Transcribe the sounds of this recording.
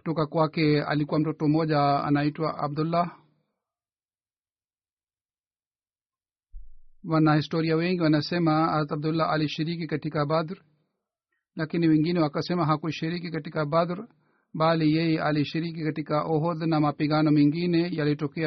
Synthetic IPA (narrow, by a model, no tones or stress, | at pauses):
ku̥tɔkakwakɛa̰likuwam̩tɔtɔmɔʄaa̰naitwaʔa̰b̚d̪ulːa | wanahistɔɾiawɛŋɡiwanasɛmaazat̪ab̚d̪ulːaʔaliʃiɾikikatikabad̪ɾ | lakiniwɛŋɡinɛwakasɛmaɦakuʃiɾikikatikabad̪ɾ | ɓalijɛjɛʔaliʃiɾik̬ikatikaʔɔɦɔðnamapiɠanɔmiŋɡinɛjalitɔkɛ